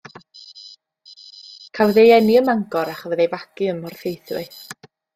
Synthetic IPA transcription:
kʰawðejɛniəmaŋɡɔɾaχɔvɛðejvakɨəmɔrθejθwɪ̰θ

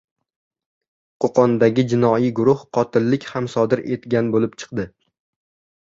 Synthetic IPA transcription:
qʰoqʰɒnd̪aɡʲɪd͡ʒɪnɒijɡʊɾʊhqʰɒt̪ʰɪlːɪkʲhamsɒd̪ɪɾe̞t̪ɡʲanbolɪp̚t͡ʃʰɨ̥qd̪ɪ

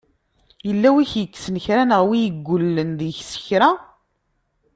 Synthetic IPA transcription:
jəlːæwiçjəkːsənəçɾænəʁwijəɡʷːʊlːənðiçsə̥çɾa

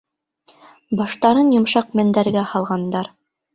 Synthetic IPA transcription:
bɑʃt̪ɑɾɤnjŏmʃɑq̚mæ̆nd̪æɾɡæhɑlˠʁɑnd̪ɑɾ

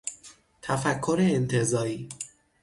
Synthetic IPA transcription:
t̪ʰæfækʰːo̞ɾeːnt̪ʰe̞zɒːɾiː

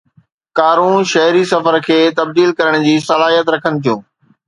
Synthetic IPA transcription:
kaːɾũʃɐɦɾisɐfəɾkʰeːt̪ɐb̚d̪iːlkɐɾəɽ̃d͡ʑiːsɐlaːɦijət̪ɾɐkʰənɪ̆t̪ʰijũː

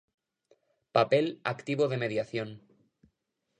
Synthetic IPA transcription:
pape̞la̰kt̪iβoð̞e̞me̞ðjaθjon

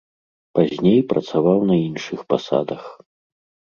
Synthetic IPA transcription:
pazʲnʲejpɾʔɐt̪savawnɐinʂɨxpasa̰d̪ɐx

